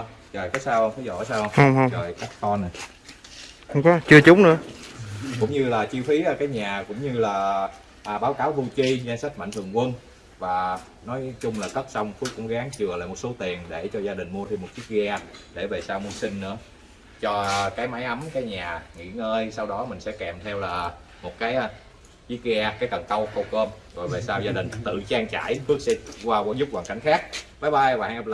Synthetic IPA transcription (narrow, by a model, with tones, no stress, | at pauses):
t͡ɕə˨˩jkɔ˨˦jsaː˧whə˧ŋ͡mfʰa˨˦jzɔ̰˧˨˩jsaː˧whə˧wŋ͡mhə˧wŋ͡mhə˧wŋ͡mzəː˨˩jkaː˦˥kkɔ˧n˨˩j | xʊ̰˧˥ŋ͡mkɔ˨˦t͡ɕɨ˧ət͡ɕʊ˨˦ŋ͡mnɨ̰˧˥ə | kʊ̰˧˥ŋ͡mɲɨ˧laː˨˩t͡ɕi˧wfi˨˦aː˨˩kaː˨˦jɲaː˨˩kʊ̰˧˥wŋ͡mɲɨ˧laː˨˩ | ʔa˨˩ɓaː˨˦wkaː˨˦wt̪ʰu˧t͡ɕi˧za˧nsa˦˥t̚ma̰˧˨jŋt̪ʰɨ˨˩əŋkwə˧n | vaː˨˩ | nɔ˨˦jt͡ɕʊ˧ŋ͡mlaː˨˩kə˦˥t̚sa˧wŋ͡mfu˨˦kʊ̰˧˥ŋ͡mɣaː˨˦ŋt͡ɕɨ˨˩əla̰ː˨mo˨˩t̚so˨˦t̪i˨˩ənɗe˧˩t͡ɕɔ˧zaː˧ɗï˨˩ŋ̟mu˧ət̪ʰi˧mo˨˩t̚sɨ˦˥ək̚ɣa˧ɗe˧˩ve˨˩saː˧wmu˧sï˧ŋ̟nɨ̰˧˥ə | t͡ɕɔ˧kaː˨˦jma˨˦jʔə˨˦mkaː˨˦jɲaː˨˩ŋḭ˧˥ŋəː˧jsa˧wɗɔ˨˦mï˨˩ŋ̟sɛ̰˧˥kɛ˨˩mt̪ʰɛ˧wlaː˨˩ | mo˨˩t̚kaː˨˦j | vi˦˥k̚i˧ʔaː˧kaː˨˦jkə˨˩nkə˧wxə˧wkəː˧m | ɣo̰˨˩jve˨˩saː˧wzaː˧ɗï˨˩ŋ̟t̪ɨ̰˧˨t͡ɕaː˧ŋt͡ɕa̰ː˧˩˨jɓɨ˦˥ək̚sɛ̰˧˥kwaː˧ka˧˦zʊ˦˥p̚kwaː˨˩nka˧˩ŋ̟xaː˦˥k̚ɓaː˨˦jɓaː˧˩wa̰ː˧˩ʔ